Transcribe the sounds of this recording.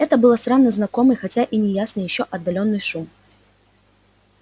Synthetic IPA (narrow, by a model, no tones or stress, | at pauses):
ɛt̪əbɨlˠəst̪ɾanːəznɐko̞mɨjxɐtʲaʔinʲɪjasnɨjɪɕːoʔɐd̪ːɐlʲo̞nːɨjʂum